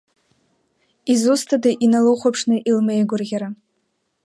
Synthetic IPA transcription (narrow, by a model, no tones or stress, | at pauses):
izustʰadaʔinaloχʷapʰʂnɨʔilmejɡʷʊrɣʲaɾa